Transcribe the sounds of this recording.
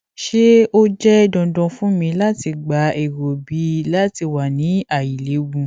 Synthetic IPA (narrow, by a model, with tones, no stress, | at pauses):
ʃe˦o˦d͡ʒɛ˦dɔ̃˨dɔ̃˧fũ˦mĩ˧la˦ti˧ɡ͡ba˨˦e˨ɾo˨bi˨˦la˦ti˧wa˨nĩ˨˦a˦˨ji˨le˨˦ɡũ˧